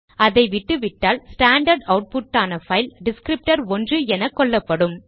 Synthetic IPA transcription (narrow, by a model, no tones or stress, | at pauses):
ɐðɐɪʋɪʈːɯʋɪʈːaːlsʈaːɳɖɐɾɖɐʊʈ̚pʊʈːaːnɐfɐɪlɖɪskɾɪp̚ʈɐɾɔndrɯɛnɐkːɔɭːɐpːɐɽɯm